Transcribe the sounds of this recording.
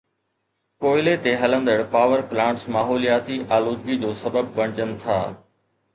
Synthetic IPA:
koːɪlet̪eɦɐlə̃nd̪əɽpaːʋəɾplãːɳʈsmaːɦoːlijaːt̪iʔaːloːd̪ɡid͡ʑoːsɐbəb̚pɐɽ̃ɪd͡ʑənɪ̆t̪ʰa̰ː

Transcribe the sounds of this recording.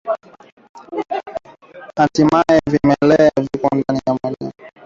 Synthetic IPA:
atimajɛvimɛlɛavikɔndaniamaɲa̰

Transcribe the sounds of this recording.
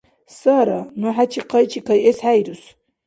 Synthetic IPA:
saɾanuħat͡ʃʰiqɑjt͡ʃʰikajesħajɾus

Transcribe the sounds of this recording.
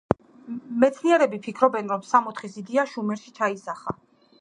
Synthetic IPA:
mɛt̪sʰniɛɾɛbipʰikʰɾɔbɛnɾɔmsamɔt̪ʰχisid̪iaʃumɛɾʃi̥t͡ʃʰaisaχa̰

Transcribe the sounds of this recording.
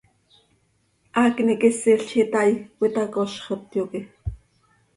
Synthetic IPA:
ʔaːknikɪsiɬt͡ʃit̪ajwit̪ɑkoʃχət̪joki

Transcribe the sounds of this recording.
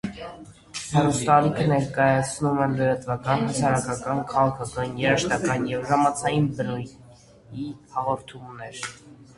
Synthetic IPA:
hɑɾust̪ɑlikʰənɛɾkɑjɑt͡sʰnumɛləɾɑt̪vɑkɑnhəsʰɑɾɑkɑkɑnkʰɑʁɑkʰɑkɑnjɛɾəʃt̪ɑkɑnjɛvʒɑmɑt͡sʰɑjinbənuj | ihɑʁɔɾt̪ʰumnɛɾ

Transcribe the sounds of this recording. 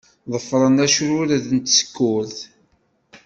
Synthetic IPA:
ðˤəfɾˤənæʃɾʊɾðnt̪sə̥kːʊɾθ

